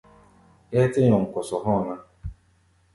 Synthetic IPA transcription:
e˦tɪ˦ɲɔ˨ŋ̩˨kʊ˨sɔ˨ɦɔ˦˨na˦

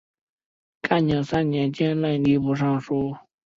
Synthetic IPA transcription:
kʰa˥˨ɲɑ˩˨sa˥˨ɲɛ˩˨t͡ɕɛ˥nla˥˨ni˩˨pu˩˨ʂɑ˥˨ŋʂo˥˨

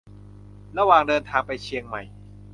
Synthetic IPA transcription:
ɾa˧waː˨˩ŋdɤː˧nt̪ʰaː˧ŋpa˧jt͡ɕʰi˧əŋma˨˩j

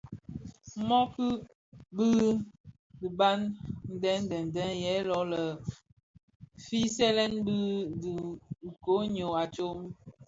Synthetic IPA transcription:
mɔ˦ki˦ | bi˦ | di˨ba˦nn̩˦dɛ˦n˦dɛ˨n˨dɛ˦njɛ˨˦lɔ˨˦lə˨ | fi˦sɛ˦lɛ˦nbi˦di˨ŋ̩˨ko˨˦ɲo˨a˨t͡ʃo˦m

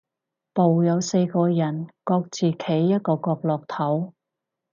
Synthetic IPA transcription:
po˨wjɐ˨˧wse˧jkɔː˧jɐ˨˩nkɔː˧k̚t͡siː˨kʰe˨˥jːɐ˥t̚kɔː˧kɔː˧k̚lɔː˨k̚t̪ʰɐ˨˥w

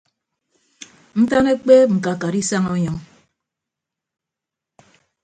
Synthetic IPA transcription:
n̩˦ta˦ne˦k͡pe˦ŋ͡m̩˨ka˨ka˨ɾi˦sa˦ŋɔ˦ɲɔ˨˦ŋ

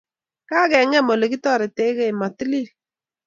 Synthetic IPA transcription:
kaː˦kɛ˨ŋɛ˦˨mo˨le˨ki˦tɔ˦˨ɾɪ˨te˨˦ke˦˨ma˨ti˦li˦˨

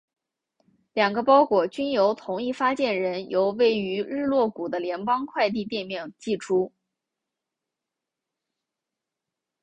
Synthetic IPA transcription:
ljɑ˨˩ŋɡə˦pɑ˥ʊkwɔ˨˩t͡ɕy˥njo˧˥ʊt̪ʰʊ˧˥ŋi˥˩fa˥t͡ɕjɛ˥˩nɻə˧˥njo˧˥ʊwe˥˩ɪy˧˥ɻɻ̩˥˧lwɔ˥˩ku˨˩d̪ə˦ljɛ˧˥npɑ˥ŋkʰwa˥˧ɪt̪̬i˥˧t̪̬jɛ˥˧nmjɛ˥˧ŋt͡ɕi˥˩ʈ͡ʂʰu˥

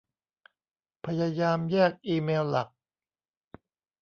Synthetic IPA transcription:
pʰa˧ja˧jaː˧mjɛː˥˩k̚ʔiː˧meː˧wla˨˩k̚

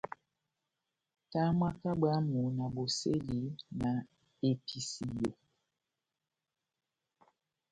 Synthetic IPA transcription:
ta˦mwa˦ka˦ba˦mu˨na˨bo˨se˦li˨˦na˨ | e˨pʰi˨si˨jo˨

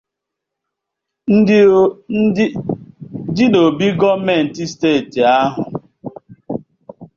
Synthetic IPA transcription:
n̩˦ | di˦no˨bi˦ɡɔ˦me˦˨n̩˨ti˦steː˦˨ti˨a˦ɦʊ̰˨

